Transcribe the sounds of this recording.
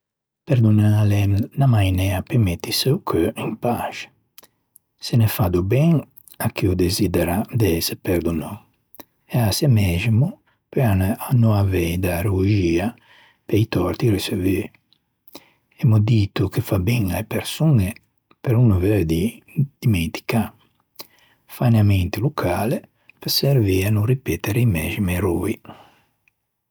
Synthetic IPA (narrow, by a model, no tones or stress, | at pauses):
pɛɾd̪unalenamajnɛapemɛt̪ːiseukʰøimpaʃ | senefad̪ubɛŋ | akʰiud̪ezid̪ɛɾad̪ɛsepɛɾd̪uno | easamɛʒimu | peananuavɛjd̪aɾuʒia | peait̪ɔɾt̪iɾisevi | ɛmod̪it̪ukefabiŋajpeɾsuŋe | peɾunuvɛɾd̪i | d̪̥iment̪i̥ka | faneamɛnt̪ilukʰale | pesɛɾvianuripɛt̪eɾeimɛʒimeɾui